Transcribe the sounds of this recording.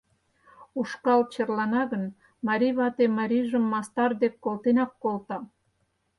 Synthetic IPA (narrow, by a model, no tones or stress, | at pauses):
uʃkɑlt͡ɕərlɑnɑɣən | mɑɾʲiβɑt̪emɑɾʲiʒəmːɑst̪ɑrd̪ekːolt̪enɑkːolt̪ɑ